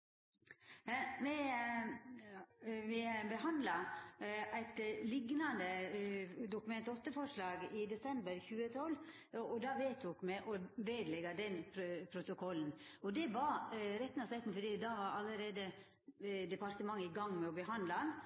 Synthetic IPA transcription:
mɛ | mɛbəɦɑnd̪lɑ | æɪt̪lɪɡnɑnd̪ə | d̪ʊkʉmɛnt̪ɔt̪ːəfɔʂlɑːɡɪd̪ɛsɛmbəɾçʉːət̪ʰɔl | ɔd̪ɑʋeːt̪ʰuːkmɛʔɔʋeːd̪lɛɡɑd̪ɛnpʰpʰɾʊt̪ʊkʰɔln̩ɔd̪ɛbɑːɾɛt̪ːnɔsɛɪt̪n̩fɔd̪iːd̪ɑːʋɑɾɑlːəɾeːd̪ə | d̪ɛpɑɾt̪əmɑŋːəɪɡɑŋːmɛɔbəɦɑnd̪lɑ

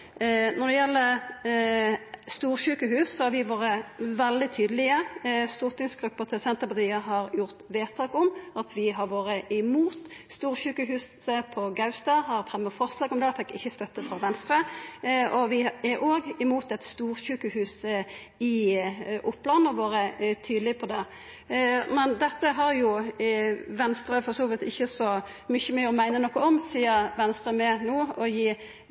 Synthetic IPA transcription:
nɔd̪ɛjɛlːəɾ | st̪uːʁʃʉːkəhʉːssɔhɑɾʋɪʋoːɾəʋɛld̪ɪt̪ʰyːd̪əlɪəst̪ʊʁt̪ɪŋsɡɾʉpːəɾt̪ʰɪlsɛnt̪əpɑt̪iːəɦɑɾjʊʁt̪ʋeːt̪ʰɑːkɔmɑt̪ʰʋɪɦɑɾʋoːɾəʔɪmuːt̪st̪uːʁʃʉːkəɦʉːs | əpʰɔɡɑʉst̪ɑhɑɾfʁɛmːəfɔʁslɑːɡɔmd̪ɛfɛkːɪ̰çːəst̪œt̪ːəfʁɔʋɛnst̪ɾə | ɔʋɪɛɾʔoːɡɪmuːt̪ɛt̪st̪uːɾɕʉːkəhʉːs | ɪʔʊpːlɑnɔʋoːɾət̪ʰyːd̪l̩ɪpʰɔd̪ɛ | mɛnd̪ɛt̪ːəɦɑɾjʊ | ʋɛnst̪ɾəfɔsuːʋɪt̪ɪçːəsɔ | mʏçːəmɛɔmæɪnənɔkːɔɔmsiːəɾʋɛnst̪ɾəmɛnoːɔjiː

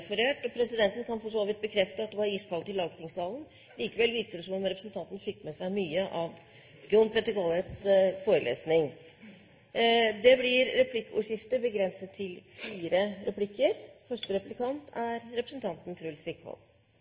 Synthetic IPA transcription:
fɔɾeːʈɔpʰɾɛsɪd̪ɛnt̪ən̩kʰɑnfɔʂoːʋɪt̪̚bəkʰɾɛft̪əɑt̪̚d̪ɛʋɑɾiːst̪ʰɑlt̪ɪlːɑːɡt̪ʰɪŋsɑːlən̩ | liːkəʋɛlːʋɪɾkəd̪ɛsɔmɔmɾɛpɾəsnt̪ʰɑnt̪n̩fɪkːmɛsæɪmyːəʔɑʋ | ɡʊnpʰɾɛt̪əkɔlɛt̪sfoːɾəlḛːsnɪŋ | d̪ɛblɪɾːɛpʰlɪkːṵʂɪft̪əbəɡɾɛnsət̪ʰːɪlfiːɾəɾɛplɪkːəɾfœʂʈəɾɛplɪkʰɑnt̪ʰæɾɾɛpɾəsn̩t̪ʰɑnt̪nt̪ʰɾʉlsʋɪkːhɔ̰l

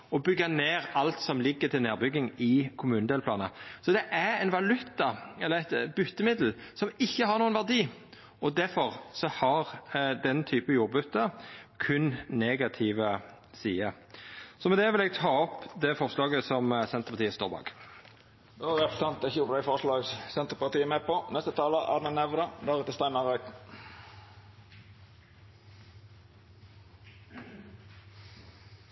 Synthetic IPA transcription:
ɔbʏɡːɑneːɾɑlt̪sɔmlɪɡːət̪ʰɪlneːɾbʏɡːɪŋɪkʰʊmʉːnəd̪eːləpʰlɑːnəsɔd̪ɛʔæɾɛɪnʋɑlʉt̪ːɑɛlːəɛɪt̪b̥ʏt̪ːəmɪd̪l̩sɔmɪçːəhɑʁnuːənʋæʁd̪iː | ʔɔd̪æɾfɔʁsɔhɑɾd̪ɛnt̪ʰyːpəjuːɾbʉt̪ːəkʰʉnneːɡɑt̪ʰiːʋə | siːə | sɔmɛd̪ɛʋɪlɛːɡ̚t̪ʰɑːɔpd̪ɛfɔʁslɑːɡəsɔmsɛnt̪əʁpʰɑt̪iːəst̪ɔːʁbɑ̰ːɡ | d̪oæʁɛpəsɑnt̪ɛçəjʊp̪æɪfɔʁʂlɑːɡssɛnt̪əʁpɑʁt̪iːəmeːpɔnɛst̪ət̪ʰɑːləʔæ̰ʁd̪ənɛʋd̪əd̪æʁʉːt̪əst̪æɪnɑʁɑɪt̪n

